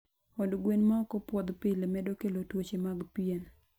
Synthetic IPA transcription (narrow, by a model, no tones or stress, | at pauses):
ɔdɡwenmaɔkɔpwɔd̪pɪlemɛdokelotwot͡ʃemaɡpien